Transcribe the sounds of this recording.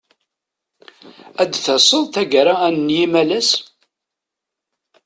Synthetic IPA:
æd̪θəsˤəðˤθæʝəɾaænəːjimælæs

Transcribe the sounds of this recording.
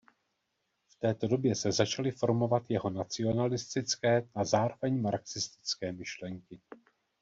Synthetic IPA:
ft̪ɛːt̪o̞do̞bjɛsɛzat͡ʃalɪfo̞ɾmo̞vat̪jɛɦo̞nat͡sɪo̞nalɪst̪ɪt͡skɛːazaːɾo̞vɛɲmaɾksɪst̪ɪ̥t͡skɛːmɪʃlɛŋkɪ

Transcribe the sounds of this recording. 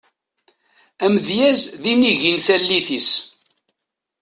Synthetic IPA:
æmðjæzðiniʝinθælːiθis

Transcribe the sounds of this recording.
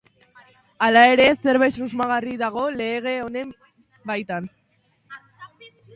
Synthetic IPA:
alae̞ɾe̞se̞ɾβajsuzmaɣ̞ariðaɣ̞o̞le̞ːɣ̞e̞one̞m | bajt̪an

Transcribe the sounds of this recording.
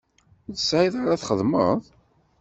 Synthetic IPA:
ðəsʕiðaɾaθχəðˤməðˤ

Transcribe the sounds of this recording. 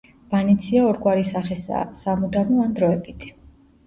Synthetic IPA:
b̥anit̪sʰiaɔɾɡwaɾisaχɛsa̰samud̪anɔand̪ɾɔɛbʰit̪ʰ

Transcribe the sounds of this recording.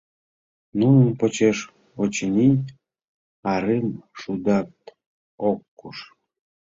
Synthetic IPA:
nunəmpot͡ɕeʃ | ot͡ɕənʲij | ɑɾɨmʃud̪ɑt̪ | okːuʃ

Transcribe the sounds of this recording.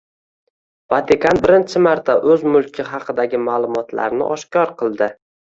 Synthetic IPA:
vat̪ʰɪkanbɪɾɪnt͡ʃʰɪmaɾt̪ʰaʔɵzmʊlˠkʲʰɪɦɑqʰɨd̪aɡʲɪmaːlˠʊmɒt̪ʰla̰ɾnɪ̰ʔɒʃkʲɒɾqʰɨlˠd̪ɪ

